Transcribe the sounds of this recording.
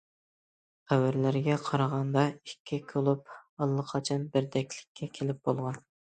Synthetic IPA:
χæwæɾlæɾɡʲɛqʰɑɾɑʁɑnd̪ɑikʲʰːɪkʲʰølˠup̚ɑlˠːəqʰɑt͡ʃʰɑnbɪɾd̪ɛkʲlɪ̥kʲʰːɛkʲʰelɪp̚bolˠʁɑn

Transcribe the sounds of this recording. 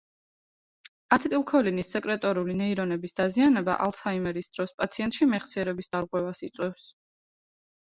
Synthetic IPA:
at̪ʰt̪ʼilˠkʰɔlinisːɛkʼɾɛt̪ʼɔɾulinɛiɾɔnɛbisd̪azianɛba̰ʔa̰lˠsʰaimɛɾisd̪̥ɾɔspʼat̪sʰiɛnt̪̚ʼʃimɛχsiɛɾɛbisd̪aɾʁʼwɛvasit̪sʼwɛfs

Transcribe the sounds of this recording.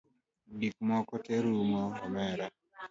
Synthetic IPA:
dik̚mɔkɔteɾumɔːmɛɾa

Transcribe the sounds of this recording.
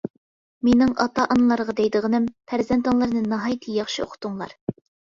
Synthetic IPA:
menɪŋʔɑ̰t̪ʰɑʔɑnlˠɑɾʁɑd̪ɛjd̪ɨʁənɪmpʰæɾzɛnt̪ɑnlˠɨɾnɨnɑɦɑjt̪ʰɨjɑχʃio̰qʰʊ̥t̪uŋlˠɑ̰ɾ

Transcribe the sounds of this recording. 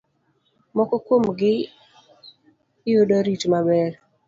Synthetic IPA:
mɔkɔkwomɡɪ | joɗɔɾitmabɛr

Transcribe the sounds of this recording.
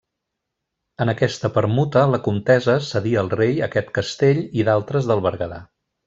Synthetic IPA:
ənəkɛst̪əpəɾmut̪ələkumt̪ɛzəsəðiəːlˠrejəkɛt̪kəst̪eʎiðalˠt̪ɾəzðəlˠβəɾɣəða̰

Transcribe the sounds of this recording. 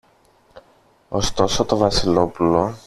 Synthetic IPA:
o̞st̪o̞sot̪o̞vɐsilo̞pulo̞

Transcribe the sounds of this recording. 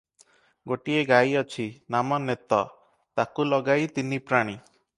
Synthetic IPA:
ɡoʈieɡajɔt͡ʃʰinamɔnet̪ɔ | t̪akulɔɡajt̪inipɾaɽ̃i

